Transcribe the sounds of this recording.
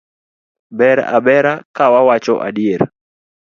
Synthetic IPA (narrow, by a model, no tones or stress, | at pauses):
bɛɾa̰bɛɾakawawat͡ʃɔʔa̰dɪeɾ